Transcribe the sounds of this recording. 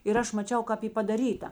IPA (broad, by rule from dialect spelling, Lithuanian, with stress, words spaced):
ɪr ˈɐʃ mɐˈt͡ʃʲɛʊ kɐp ˈiː pɐdɐˈrʲiːtɐ